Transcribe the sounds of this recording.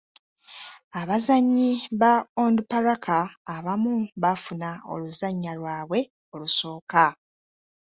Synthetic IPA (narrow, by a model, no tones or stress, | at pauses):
aβazaɲːiβaondupaɾakʰaːβamuβafunao̰luzaɲːalwaːβwe̞ | o̞luso̞ːka